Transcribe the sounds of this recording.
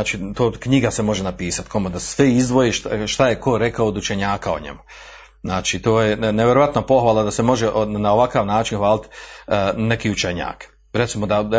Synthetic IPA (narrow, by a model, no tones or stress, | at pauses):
t͡ʃit̪oːkɲiɡase̞mo̞ʒenapiːsat̪kʰo̞med̪assʋeizd̪ʋo̞jiʃʃt̪ajeko̞ɾe̞kaoːd̪ut͡ʃe̞ɲaːkao̰ɲḛmu | znaːt͡ʃit̪o̞ːjeneʋʲjeɾo̞ʋat̪napo̞xʋaːlˠad̪asemo̞ʒeʔnao̞ʋakaʋnaːt͡ʃinxʋaːlit̪ | ne̞kiːut͡ʃeɲa̰ːk | ɾet̪simo̞d̪a